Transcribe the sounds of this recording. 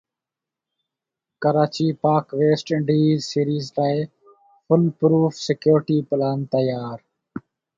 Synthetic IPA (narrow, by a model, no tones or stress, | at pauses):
kəɾaːt͡ʃiːpaːkʋeːsʈɪɳɖiːzsiːɾiːzlaːe | fʊlpɾuːfsɪkjoːɾʈiːplaːnt̪əjaːɾ